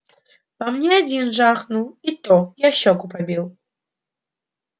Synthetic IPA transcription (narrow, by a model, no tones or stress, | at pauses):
vamnʲɛad͡zʲinʐaxnuit̪ɔjaɕɔkupabʲiw